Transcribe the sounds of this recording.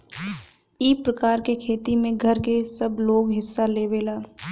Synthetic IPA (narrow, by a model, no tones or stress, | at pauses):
iːpɾəkaːɾkekʰeːt̪imẽɡʱɐɾkesəbloːɡɦɪsːaleːʋeːlaː